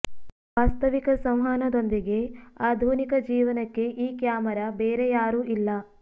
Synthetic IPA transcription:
ʋaːst̪ɐʋikɐsɐ̃w̃ɦaːnɐd̪o̞nd̪iɡe̞aːd̪ʱuːnikɐd͡ʒiːʋɐnɐkːe̞ʔiːkjaːmɐɾɐbeːɾejaːɾuːʔilːɐ

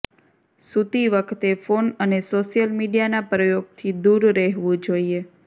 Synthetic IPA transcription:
sut̪iʋəkʰt̪efonənesoʃijəlmiɖijanapɾəjoɡ̚t̪ʰid̪uɾɾəɦʋũd͡ʒoie

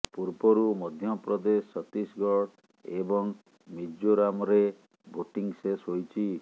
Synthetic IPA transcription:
puɾbɔɾumɔd̪ʱjɔpɾɔd̪esɔt̪isɡɔɽ | ebɔŋ | mid͡ʒoɾamɔɾe | bʱoʈiŋsesɦojt͡ʃʰi

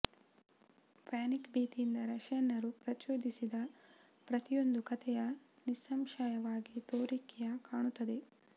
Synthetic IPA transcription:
paːnikbiːt̪iind̪ɐɾɐʃɐnːɐɾupɾɐt͡ʃoːd̪isid̪ɐ | pɾɐt̪ijo̞nd̪ukɐt̪ʰɛjɐ | nisɐmʃajɐʋaːɡit̪oːɾikːɛjɐkaːɳut̪ːɐd̪e̞

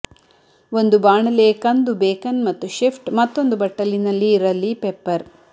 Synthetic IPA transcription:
o̞nd̪ubaːɳɐleːkɐnd̪ubeːkɐnmɐt̪ːuʃipʰʈmɐt̪ːo̞nd̪ubɐʈːɐlinɐlːiːɾɐlːipepːɐɾ

